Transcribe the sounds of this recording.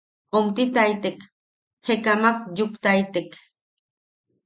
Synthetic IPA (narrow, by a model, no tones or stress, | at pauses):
omt̪it̪ajt̪ek | hekamak̚jukt̪ajt̪ek